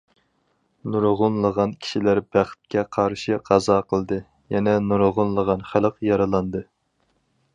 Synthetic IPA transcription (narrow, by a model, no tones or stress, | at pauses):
nuɾʁʊnlˠəʁɑnkʲʰi̥ʃilæɾbæχt̪̚kʲʰɛqʰɑɾʃɨqʰɑzɑqʰəlˠd̪ɨ | jɛnɛnuɾʁʊnlˠəʁɑnχæləqjɑɾɑlˠɑnd̪ɨ